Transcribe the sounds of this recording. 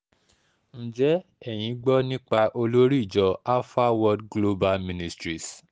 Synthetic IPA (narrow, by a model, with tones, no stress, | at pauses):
ñ̩˨d͡ʒɛ˨˦ɛ˦˨j̃ĩ˨˧˦ɡ͡bɔ˦nĩ˦k͡pa˧ʔo˧lo˦ɾi˦˨d͡ʒɔ˧a˦fa˦wɔ˦dɡlo˦ba˧lmĩ˧nĩ˧stɾi˨s